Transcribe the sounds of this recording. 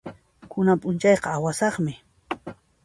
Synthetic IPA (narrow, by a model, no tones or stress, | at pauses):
kʰʊnapʼʊnt͡ʃɑjqɑawasɑχmɪ